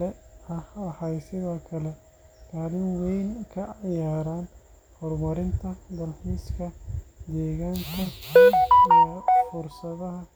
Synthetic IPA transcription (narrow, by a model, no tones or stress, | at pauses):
ɛɐhɐhɐjsɪðɔːkʰɐlɛ | kʰaːlɪmwɛjnkʰɐɑjaːɾaːn | hʊrmɐɾɪnt̪ʰɐd̪ɐlħiːskʰɐd̪ɛːɣaːŋk̪ʰɐ | ijɔfʊrsɐðɐɦɐ